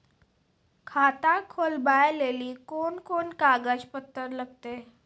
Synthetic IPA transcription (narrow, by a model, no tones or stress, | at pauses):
kʰat̪akʰoːlbajeleːliːkoːnkoːnkaːɡəd͡ʒpət̪ːəɾləɡ̚t̪eː